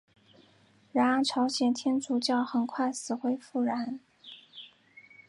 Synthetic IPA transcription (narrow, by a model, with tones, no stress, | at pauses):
ɻa˧˥˧ʈ͡ʂʰɑ˧˥ʊɕjɛ˨˩nt̪ʰjɛ˥nt͡su˨˩t͡ɕjɑ˥˩ʊxə˨˩nkʰwa˥˩ɪsɹ̩˨˩xwe˥ɪfu˥˩ɻa˧˥n